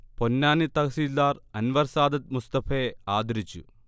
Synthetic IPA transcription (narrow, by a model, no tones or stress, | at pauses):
ponːaːnit̪ɐkɐsiːlːaːɾɐnʋɐɾsaːd̪ɐt̪̚must̪ɐfeːaːd̪ʱɐɾit͡ɕːṵ